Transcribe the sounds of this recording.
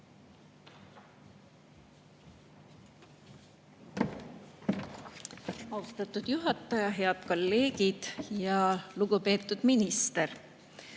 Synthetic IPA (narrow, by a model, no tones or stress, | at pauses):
ɑust̪ɑt̪ːud̪̥juɦɑt̪ːˑɑjɑɦe̞ɑd̪̥ko̞lːe̞ːɡid̪̥jɑluɡ̥upe̞ːt̪ːˑud̪̥minist̪er